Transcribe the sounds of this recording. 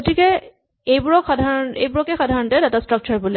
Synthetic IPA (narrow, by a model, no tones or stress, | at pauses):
ɡotikɛ | ejbuɹɔkxadʱaɹɔnejbʊɹɔkɛxadʱaɹɔntɛdatastɹɔk̚t͡ʃɔɹbulɛ